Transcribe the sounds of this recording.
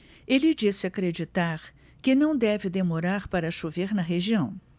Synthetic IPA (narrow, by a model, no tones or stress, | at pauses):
elɪd͡ʒisɪakɾed͡ʒit̪aɾ | kɪnɐ̃w̃d̪ɛvɪd̪emoɾaɾpaɾɐʃoveɾnɐɦeʒiɐ̃w̃